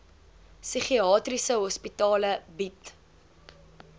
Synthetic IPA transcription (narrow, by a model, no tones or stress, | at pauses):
syχiɑːtrisəɦɔspitɑːləbit